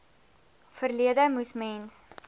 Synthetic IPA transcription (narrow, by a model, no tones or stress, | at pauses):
fərliədəmusmɛns